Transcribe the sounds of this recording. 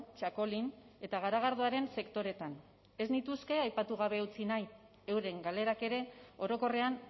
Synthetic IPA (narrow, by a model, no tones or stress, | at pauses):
t͡ʃako̞line̞t̪aɣ̞aɾaɣ̞aɾðuaɾe̞nse̞kt̪o̞ɾe̞t̪an | e̞znit̪uske̞ajpat̪uɣ̞aβ̞e̞ut͡sinaj | e̞wɾe̞ŋɡale̞ɾake̞ɾe̞o̞ɾo̞ko̞re̞an